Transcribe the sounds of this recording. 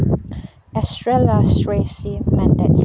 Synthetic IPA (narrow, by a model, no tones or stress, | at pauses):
astɹɛlasɹesimæ̃ndɛt